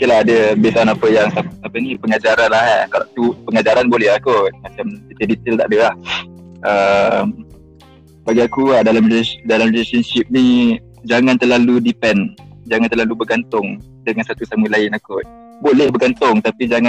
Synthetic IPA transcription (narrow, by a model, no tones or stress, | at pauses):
ukilaɦadəbesanapəjaŋsaapənipəŋad͡ʒaɾanlahankala̰ʔt̪upəŋad͡ʒaɾanbolɛhakot̪̚mat͡ʃamtit̪ədit̪əlt̪aʔdəlahʔəm | baɡiakuahdalamriledalamrilesənsip̚ni | d͡ʒaŋãnt̪ərlaludipɛnd͡ʒaŋant̪ərlalubəɡant̪ʊŋ | dəŋansat̪usaməlaɪnakʊt̪̚ | bolɛhbəɡant̪ʊŋt̪apid͡ʒaŋã